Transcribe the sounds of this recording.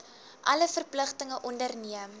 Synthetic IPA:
ʔɐləfərpləχtəŋəʔɔndərniəm

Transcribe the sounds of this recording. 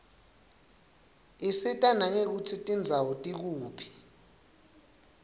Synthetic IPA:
isitʼanaŋek̬ut͡sʰitʼind͡zʱawɔtʼik̬uːpʰi̥

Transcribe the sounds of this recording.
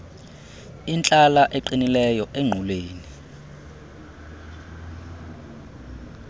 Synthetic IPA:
int͡ɬʼalaʔeǃinilɛjɔʔeŋ͡ǃʱulweːni

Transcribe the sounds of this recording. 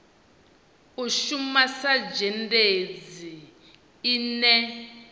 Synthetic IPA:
uʃumasad͡ʒɛnded͡zi | inɛ

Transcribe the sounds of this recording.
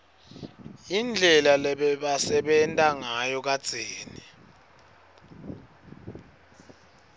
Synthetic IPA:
ind͡ɮʱɛlalɛɓɛɓasɛɓɛntʼaŋajɔk̬ad̥z̥ʱeːni

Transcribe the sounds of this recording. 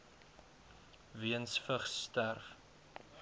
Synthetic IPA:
viənsfəχsːtærf

